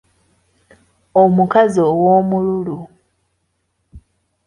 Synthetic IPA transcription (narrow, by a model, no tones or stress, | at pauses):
omukazowoːmululu